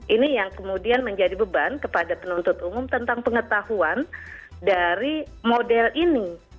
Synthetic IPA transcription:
ʔinijaŋkəmudianməɲd͡ʒadibəbankəpadapənunt̪ʊt̪umʊmt̪ənt̪aŋpəŋət̪ahuan | daɾi | modɛlini

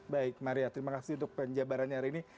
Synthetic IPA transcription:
baɪk̚maɾiat̪əɾimakasiunt̪ʊk̚pəɲd͡ʒabaɾanɲaaɾiini

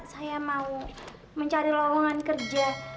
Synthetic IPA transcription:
sajamau | məɲt͡ʃaɾilɔwɔŋankərd͡ʒa

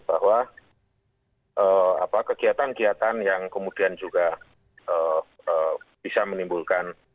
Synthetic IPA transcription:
b̥a̰ɦwa | ʔəːa̰pakəkiat̪ankiat̪anjaŋkəmudiand͡ʒuɡa | ʔəː | əb̥isamənimbulkan

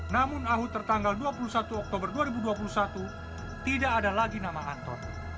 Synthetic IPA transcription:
namʊnaɦut̪ːərt̪aŋɡalduapulusat̪uɔk̚t̪obərduaɾibuduap̬ulusat̪u | t̪idaʔːdalaɡinamaant̪ɔ̰n

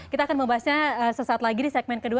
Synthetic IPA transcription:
kit̪aːkanməmbaɦasɲaəsəsaat̪laɡidisɛk̚mɛn̚kədua

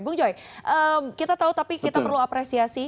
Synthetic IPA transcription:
bʊŋd͡ʒojʔəmkit̪at̪aut̪apikit̪apərluapɾesiasi

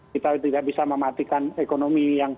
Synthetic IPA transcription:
it̪awit̪idak̚bisaməmat̪ikanekonomijaŋ

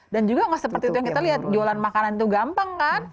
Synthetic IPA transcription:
dand͡ʒuɡaŋasəpərt̪iːt̪ujaŋkit̪aliɦat̪̚d͡ʒoalanmakanant̪̬uɡampaŋkan

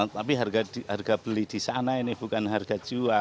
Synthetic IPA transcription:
t̪ap̬iɦarɡadiɦarɡab̥əlid̥isanainɪhb̥ukanɦarɡad͡ʒua

